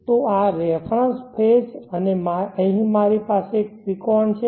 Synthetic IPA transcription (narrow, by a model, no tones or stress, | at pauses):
t̪oaɾɛfʰɾə̃nspʰed͡ʒənemaəɦĩmaɾipasek̚ʋikɔnt͡ʃʰe